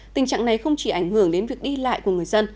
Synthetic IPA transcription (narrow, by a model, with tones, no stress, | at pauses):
t̪ï˨˩ŋ̟t͡ɕa̰ː˧˨ŋna˨˩jxə˧wŋ͡mt͡ɕi˧˩ʔa˧˩jŋ̟hɨ˧˩əŋɗe˨˦nvi˨˩ək̚ɗi˧la̰ː˧˨jku˧˩əŋɨ˨˩əjzə˧n